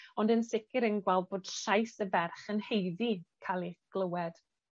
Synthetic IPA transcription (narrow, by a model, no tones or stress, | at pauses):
ɔndənsɪkɪɾənɡwɛlˠd̚boːd̥ɬajsəvɛrχənhejðikʰalˠiɡ̥ləwɛd̥